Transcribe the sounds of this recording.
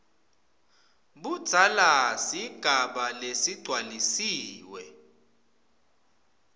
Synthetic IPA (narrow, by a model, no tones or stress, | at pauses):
ɓud̥z̥ʱalasiɡ̥ʱaɓalesiɡ͡ǀʱwalisiːwɛ